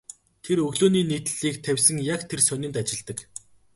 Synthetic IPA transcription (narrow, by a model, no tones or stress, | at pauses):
t̪ʰeɾɵɣɮoːniːniːt̪̆ɮiːkt̪ʰæwʲsə̆ŋjakt̪ʰersœnʲɪ̆nt̪at͡ɕɪ̆ɮt̪ə̆k